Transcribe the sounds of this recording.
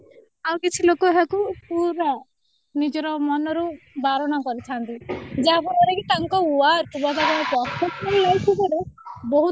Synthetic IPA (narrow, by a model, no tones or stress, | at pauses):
awkit͡ʃʰilokɔeɦakupuɾa | nid͡ʒɔɾɔmɔnɔɾu | baɾɔñakɔɾit͡ʃʰant̪id͡ʒaɦapɔɾɔɾekit̪aŋkɔuaɾkʰubɔd̪ʱapɔɾapɔɾtɔsɔllajkʰikɔɾebɔɦu